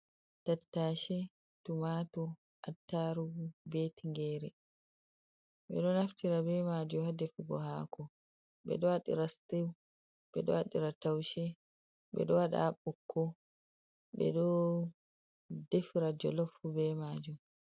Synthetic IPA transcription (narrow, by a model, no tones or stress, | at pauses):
tatːaːʃɛ | tumatɔ | ʔatːaɾubetiŋɡɛːɾɛ | ɓɛ̰ɗɔnaftiɾabɛmaːd͡ʒuhadefiɡɔ̰ɦaːkʰɔ | bɛ̰ɗɔwaɗḭɾastiw | ɓɛ̰ɗɔ̰aɗiɾatawʃɛ | bɛ̰ɗɔwaɗa̰ɓɔkʰːɔ | bɛ̰ɗɔ | defiɾad͡ʒɔ̰lɔfːubɛmaːd͡ʒum